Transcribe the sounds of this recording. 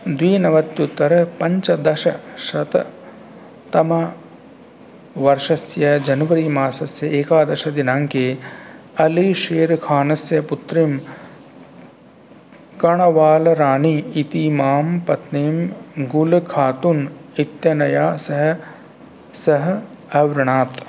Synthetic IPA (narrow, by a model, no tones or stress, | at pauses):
d̪ʋiːnɐʋɐt̪jut̪ːɐɾpɐɲt͡ʃɐd̪ɐʃɐʃɐt̪ | t̪ɐmɐ | ʋɐɾʃɐsjɐd͡ʒɐnɐʋɐɾiːmaːsɐsjɐeːkaːd̪ɐʃɐd̪inãːŋkeː | ɐliʃeːɾkʰaːnɐsjɐput̪ɾim | kɐɳ̃ɐʋaːlɾaːniːt̪iːmaːmpɐt̪niːmɡulkʰaːt̪unit̪jɐnɐjaːsɐɦ | sɐɦ | ɐʋɾɪɳ̃aːt̪